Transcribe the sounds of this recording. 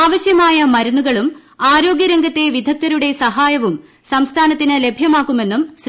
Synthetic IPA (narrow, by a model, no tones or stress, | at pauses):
aːʋɐɕjɐmaːjɐmɐɾunːuɣɐɭum | aːɾo̞ːɡjɐɾeŋɡʱɐt̪ːe̞ʋid̪ʱɐk̚t̪ɐɾuɽe̞sɐɦaːjɐʋum | sɐmst̪ʰaːnɐt̪ːinɨle̞bʱjɐmaːkːume̞nːums